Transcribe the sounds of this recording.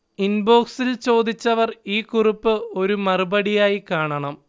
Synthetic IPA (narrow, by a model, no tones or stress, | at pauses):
inbo̞ːksilt͡ɕo̞ːd̪it͡ɕːɐʋɐriːkuripːɨo̞ɾumɐrubɐɽijaːjikaːɳɐɳɐm